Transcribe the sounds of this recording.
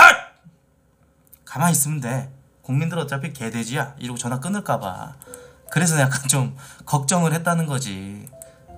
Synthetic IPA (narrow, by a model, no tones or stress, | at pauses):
a | kamais͈ɯmɯnde̞ | koŋmindɯɾʌt̚t͡ɕ͈apʰike̞de̞d͡ʑijaḭɾiɡot͡ɕʌnɦak͈ɯnɯɭk͈aba̰ | kɯɾe̞s̬ʰʌjak͈ant͡ɕomkʌk̚t͡ɕ͈ʌŋɯɭhe̞t̚t͈anɯnɡʌd͡ʑḭ